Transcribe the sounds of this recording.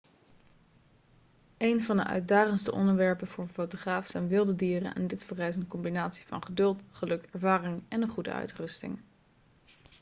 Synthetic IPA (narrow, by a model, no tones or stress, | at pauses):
ejnvɑndə̰ʔœ̰ɥt̚daːχənstə̰ʔɔ̰ndəɹʋɛɹpənvʊːɹənfowtoχraːfsɛjnʋɪlˠdədiːrə̰nɛ̰ndɪtfərɛjs̬ənkɔmbinaːtsi̥vɑ̰nχədɵlˠtχəlɵkɛɹvaːrɪŋɛnənχudə̰ʔœ̰ɥtrɵstɪ̰ŋ